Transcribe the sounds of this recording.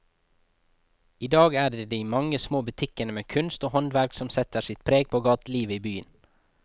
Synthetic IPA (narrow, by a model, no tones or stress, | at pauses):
iːd̪ɑːɡæːɖed̪iːmɑŋəsmoːbʉt̪ʰɪkənəmeːkʰʉnst̪oːhɔnʋæɾksɔmsɛt̪əsɪt̪̚pʰɾeːɡ̚pʰoːɡɑːt̪liːʋəiːbyːən